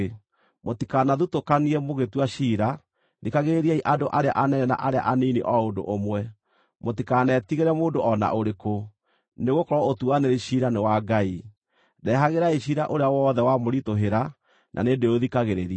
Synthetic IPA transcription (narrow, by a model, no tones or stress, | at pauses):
motikanaðutokaniɛmoɣetwaɕiːɾa | ðikaɣeɾeɾiaiʔadoʔaɾea̰ʔanɛnɛna̰ʔaɾea̰ʔaniniʔɔondo̰ʔomwɛ | motikanɛtiɣeɾɛmoːndoʔɔna̰ʔoɾeko | neɣokɔɾɔotuaneɾiʃiɾanewaɡai | dɛɦaɣeɾaiʃiːɾaʔoɾeawɔːðɛwamoɾitoɦeɾa | nʔa̰nedeoðikaɣeɾeɾi